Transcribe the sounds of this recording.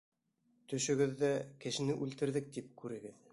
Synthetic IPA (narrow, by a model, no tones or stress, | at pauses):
t̪ɵ̆ʃɵ̆ɡɘ̆ðːækɘ̆ʃɘ̆nɘʔʉlt̪ɘ̆ɾðɘk̚t̪ip̚kʉɾɘ̆ɡɘð